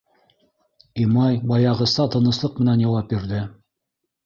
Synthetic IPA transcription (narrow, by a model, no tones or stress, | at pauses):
imɑjbɑjɑʁɤ̆sɑt̪ɤ̆nɤ̆slˠɤq̚mɘ̆nænjɑwɑp̚biɾðɘ